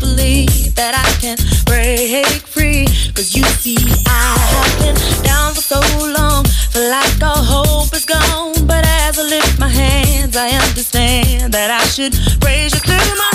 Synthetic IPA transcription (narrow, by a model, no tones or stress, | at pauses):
b̥əlivðɨɾaɪkʰɨ̃npʰɹ̥eɦek̚fʰɹikʰʌzjɨsiaɪhɔkɪ̃nd̥ãʊ̃nfəsoʊlɔ̃ŋfəlaɪkkəɦoʊlˠpɨzɡɔ̃nbʌɾaɪɛvə˞lɪft̚maɪɦænzaɪʌ̃ndə˞stæ̃nðɨɾaɪʃɨd̚ɹeɪzɨθɹʉma